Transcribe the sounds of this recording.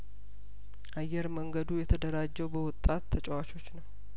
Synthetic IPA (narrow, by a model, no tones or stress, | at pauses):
ʔajːɛɾməŋɡəd̪ujɛt̪ʰəd̪əɾad͡ʒːɛwbəwɔt̪ʼːat̪ʰːət͡ʃʼɛwat͡ʃʰo̞t͡ʃːnəw